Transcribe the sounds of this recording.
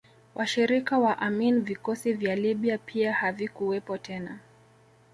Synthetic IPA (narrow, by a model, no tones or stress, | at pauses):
wʔaʃiɾikawaʔaminivikɔsivjaliɓiapʰiahavikuwɛpɔtʰɛna